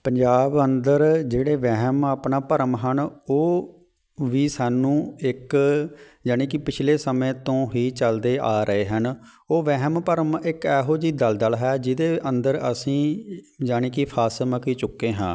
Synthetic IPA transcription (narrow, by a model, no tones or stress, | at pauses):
pəɲd͡ʒaːbənd̪əɾd͡ʒeːɽeːʋɛɦmaːpnaːpəɾəmɦənoː | ʋiːsaːnũːɪk | d͡ʒaːɽ̃ẽːkɪpɪt͡ʃʰleːsəmẽːt̪õːɦiːt͡ʃəld̪eːʔaːɾəeːɦən | oːʋɛɦmpəɾəmɪkɛːɦoːd͡ʒiːd̪əld̪əlɦɛːd͡ʒɪd̪eːʔə̃nd̪əɾəsĩː | d͡ʒaːɽ̃eːkɪpʰaːsməkiːt͡ʃʊkːeːɦãː